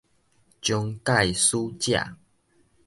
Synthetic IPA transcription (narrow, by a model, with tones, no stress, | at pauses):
t͡ɕjɔ˧ŋka˥˨jsu˦t͡ɕja̰˥˨